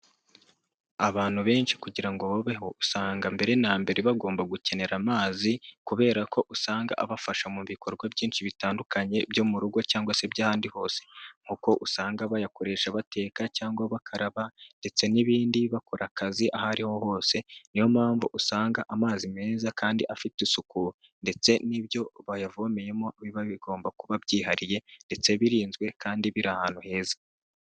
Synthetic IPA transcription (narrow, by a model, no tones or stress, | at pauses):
aβaːn̥huβe̞ːnʃi̥kuɟiɾaŋɡoβoβeho̞usaːŋɡambe̞ɾe̞naːmbe̞ɾe̞βaɡo̞ːmbaɡuce̞ne̞ɾamaːzikuβe̞ːɾako̞ʔusaːŋɡa̰ʔaβafaʃamuβiko̞ɾɡwabɟiːnʃiβitaːndukaɲe̞bjo̞muɾuɡo̞caːŋɡwase̞bjaːhaːndiho̞ːse̞̥ŋ̥uko̞ʔusaːŋɡaβajakoɾe̞ːʃaβate̞ːkacaːŋɡwaβakʰaɾaβande̞t͡se̞niβiːndiβako̞ɾʔakaziʔahaɾiho̞ho̞ːse̞niho̞mhaːɱvṵʔusaːŋɡaʔamaːzime̞ːzakʰaːndiʔafitisuku | nde̞t͡se̞niβjo̞βajavome̞jemoβiβaβiɡo̞ːmbakuβabɟiːɦaɾije̞nde̞t͡se̞βiɾiːnzɡwe̞kaːndiβiɾahaːn̥uhe̞ːzḁ